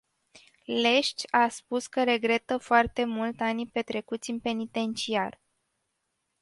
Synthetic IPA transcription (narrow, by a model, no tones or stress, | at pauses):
le̞ʃt̪ʲaspuskəɾe̞ɡɾe̞t̪əfoart̪e̞mult̪anipe̞t̪ɾe̞kut̪sʲɨnpe̞nit̪e̞nt͡ʃiar